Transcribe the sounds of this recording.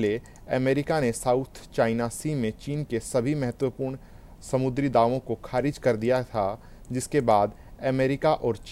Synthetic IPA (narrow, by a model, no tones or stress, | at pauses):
le | əmeːɾɪkanesaːʊt̪ʰt͡ʃaːɪnasiːmẽt͡ʃiːnkesɐbʱimɛɦət̪wəpuːɾɳ | sɐmʊd̪ɾid̪aːʋõkoxʰaːɾɪd͡ʒkɐɾd̪ijat̪ʰa | d͡ʒɪskebaːd̪ | əmeːɾɪkaʔɔːɾt͡ʃ